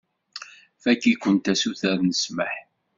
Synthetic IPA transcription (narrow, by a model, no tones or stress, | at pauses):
fækːikʷːənt̪æsuθæðnəsməħ